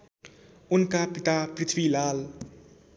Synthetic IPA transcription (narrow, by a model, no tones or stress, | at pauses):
ʊnkapit̪apɾɪt̪ʰwilaːl